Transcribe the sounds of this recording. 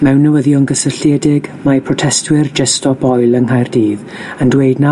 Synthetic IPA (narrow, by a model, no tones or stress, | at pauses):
mɛwnːəwəðjɔnɡəsəɬjɛdɪɡmapʰrɔtʰɛstwɪrd͡ʒɛstʰɔb̥ɔjlˠənɦajrdiːð | əndweɨdna